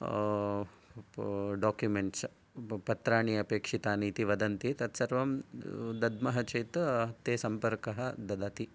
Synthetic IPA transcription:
ɖaːkjumeɳʈs | pɐt̪ɾaːɳiɐpeːkʂit̪aːniːt̪iʋɐd̪ɐnt̪it̪ɐt̪sɐɾʋɐmd̪ɐd̪mɐɦɐt͡ʃɐjt̪t̪eːsɐmpɐɾkɐɦɐd̪ɐd̪aːt̪i

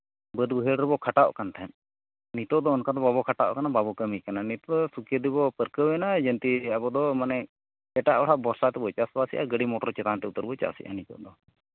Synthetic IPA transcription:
bəd̪uɦɛɽɾɛbɔkʰaʈaʔkant̪ʰaɛn | nit̪ɔʔd̪ɔɔnkad̪ɔbabɔkʰaʈaʔkanababɔkəmikananit̪ɔd̪ɔsukəd̪ibɔpəɾkəwɛnad͡ʒənt̪iabɔd̪ɔmanɛ | ɛʈaʔɔʈʰaʔbɔɾsat̪ɛbɔjt͡ʃasbasiʔa̰ɡəɽimɔʈɔɾt͡ʃɛt̪ant̪ɛut̪əɾbɔt͡ʃa̰sḭʔa̰nit̪ɔ̰ʔd̪ɔ

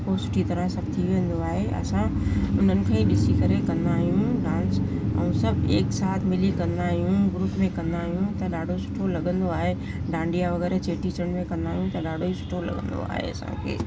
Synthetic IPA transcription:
kosʊ̥ʈʰit̪ɐɾə̃sɐbt̪ʰiʋeə̃n̆d̪oaːɦeɐ̰sãʊn̤ənɪ̆kʰãːĩɗɪsikɐɾekɐ̃nd̪aːɦijũɖãːns | ɛ̰̃ũsɐbʱeːksaːt̪ʰmɪlikɐ̃nd̪aːɦijũɡɾuːpmẽkɐ̃nd̪aːɦijũt̪ɐɗaːɖʱosʊ̥ʈʰolɐɠə̃nd̪oaːɦe | ɖãːɳɖijaʋɐɣɛːɾt͡ɕeːʈit͡ɕəɽ̃mẽkɐ̃nd̪aːɦijũt̪ɐɗaːɖʱoisʊ̥ʈʰolɐ̰ɠə̰̃nd̪o̰a̰ːɦḛɐ̰sã̰kʰḛː

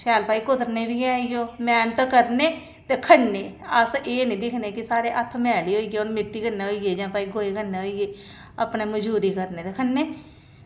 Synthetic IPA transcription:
ʃʰɛːlpaːiːkʊd̪əɾneːbiːaːioːmɛːnt̪kəɾneː | t̪eːkʰəɳːeːəseːnĩːd̪ɪkʰneːkɪsaːɾeːʔət̪ʰːmɛːliːɦoːiːɡeːonmɪʈːiːkəɾneːɦoːiːɡeːd͡ʒãːpaːiːɡoːeːkənːeːɦoːiːeː | a̰ːpneːməd͡ʒuːɾiːkəɾneːt̪eːkʰəɳːeː

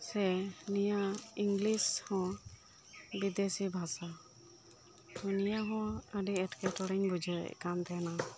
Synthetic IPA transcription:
sɛnijaiŋɡlishɔ̃ | bid̪esibʱasa | unijaɦɔ̃əɖiɛʈkɛt̪ɔɽɛɲbud͡ʒə̰kant̪ɛna

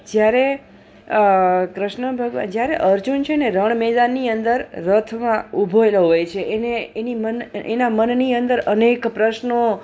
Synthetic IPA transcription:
d͡ʒjaɾe | kɾɪʃɳəbʱəɡəʋa̰d͡ʒjaɾeʔəɾd͡ʒunt͡ʃʰeneɾəɳ̃mɛd̪anːiənd̪əɾːət̪ʰmãubʱoeloɦojt͡ʃʰeʔeneːnimənḛnamənniənd̪əɾənekpɾəʃno

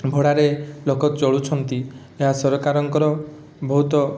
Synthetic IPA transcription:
bʱoɽaɾelokɔt̪t͡ʃɔɭut͡ʃʰɔnt̪i | eɦasɔɾɔkaɾɔŋkɔɾɔ | bɔɦut̪ɔ

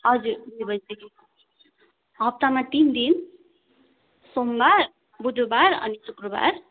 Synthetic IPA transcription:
ɦʌd͡zudibʌzd̪eki | ɦʌp̚t̪amat̪ind̪in | sombaɾ | bud̪ʱubaɾʌ̰nisukɾɔba̰ɾ

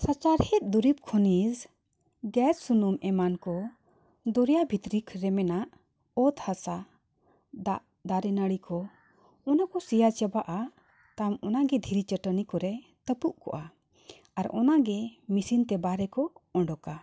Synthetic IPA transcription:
sat͡ʃaɾhɛt̪̚ˀd̪uɾip̚kʰɔniz | ɡɛt͡ʃsunumɛmankɔ | d̪ɔɾjabʱit̪ɾikʰɾɛmɛnaʔ | ɔt̪hasa | d̪aʔ | d̪aɾɛnəɽikʰɔ | ɔnakɔsijat͡ʃəbaʔa | t̪amɔnaɡɛd̪ʱiɾit͡ʃəʈənikɔɾɛ | t̪əpuʔkɔʔa | aɾɔ̰naɡɛmisint̪ɛbaɾɛkɔɔ̃ɳɖɔka

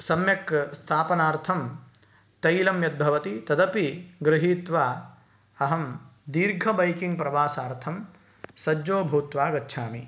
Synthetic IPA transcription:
sɐmjɐkst̪ʰaːpɐnaːɾt̪ʰɐm | t̪ɐjlɐmjɐd̪̚bʱɐʋɐt̪it̪ɐd̪ɐpiɡɾɪɦiːt̪ʋaː | ɐɦɐmd̪iːɾɡʱɐbɐjkiŋɡ̚pɾɐʋaːsaːɾt̪ʰɐm | sɐd͡ʒoːbʱɐwt̪ʋaːɡɐtːʃʰaːmi

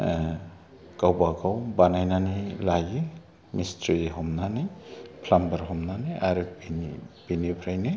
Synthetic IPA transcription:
kawbaɡawbanajnanilajɯ | mistɾiiɦɔmnanijpʰlambaɾɦɔmnanijaɾɯbinib̥inipʰɾajnɯ

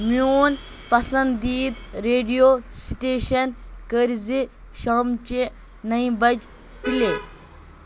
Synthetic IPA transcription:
mioːn | pɐsɐnd̪iːd̪ɾeːɖijosiʈeːʃɐnkəɾzi | ʃaːmt͡ʃe | nɐĩbɐd͡ʒ | pile

